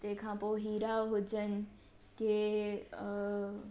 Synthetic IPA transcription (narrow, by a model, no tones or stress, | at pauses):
t̪ekʰãːpoːɦiːɾaɦʊd͡ʑən̆ | ke